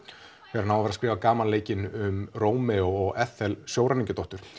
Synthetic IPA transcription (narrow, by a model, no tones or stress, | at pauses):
fʰɛːɾanaːwavɛɾaskɾɪːvakaːmanleːjcɪnʏmroːwmɛɔɔɣɛθɛlsjoːwɾaniɲcʏt̪ɔht̪ʏɾ̥